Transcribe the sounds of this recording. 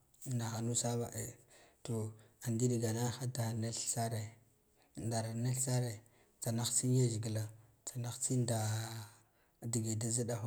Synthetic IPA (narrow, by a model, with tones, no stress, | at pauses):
na˨xa˨nu˦sa˦ba˨ʔe˨to˨a˨ndi˦di˨ɡa˨na˦xa˦da˨ne˦ɬsa˦ɾe˨ | da˨ɾa˨ne˦ɬsa˦ɾe˨ | t͡sa˨na˨xt͡si˦nja˦ʒi˨ɡi˨la˨ | t͡sa˨na˨xt͡si˦nda˨ | di˨ɡe˨da˦za˦da˦xo˦